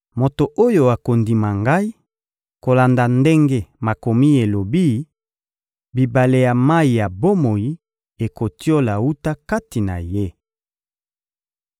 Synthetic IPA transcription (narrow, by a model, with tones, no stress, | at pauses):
mo˨to˨ʔo˦jo˨a˨ko˨ndi˨ma˨ŋɡa˦i˦ | ko˨la˨nda˨nde˦ŋɡe˦ma˨ko˨mi˦e˨lo˨bi˦˨˦ | bi˨ba˨le˨ja˨ma˦i˨ja˨bo˦mo˨ji˦ | e˨ko˨ti˦o˦la˨wu˦ta˦ka˦ti˨na̰˨je˦